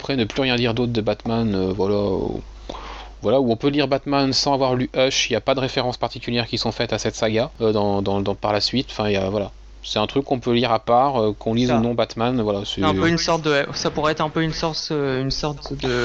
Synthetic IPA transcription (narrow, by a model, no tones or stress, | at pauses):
apχɛnəplyʁjɛ̃d̪iʁd̪ot̪χd̪əbat̪manøvwalaø̰ | vwalauɔ̃pøliʁbat̪mansɑ̃avwaʁlyʔœʃiljapad̪əʁefeʁɑ̃spaʁt̪ikʲyljɛʁkʲisɔ̃fɛt̪asɛt̪saɡaød̪ɑ̃d̪ɑ̃d̪ɑ̃paʁlasɥit̪ɑ̃fɛ̃ijavwala | sɛt̪ɛ̃t̪χykːɔ̃pøliʁapaʁøkʰɔ̃lizənɔ̃bat̪manvwalasɛɛ̃pøynsɔʁt̪̚d̪əwɛsapuʁɛɛt̪χɛ̃pøynsɔʁt̪øynsɔʁt̪d̪ə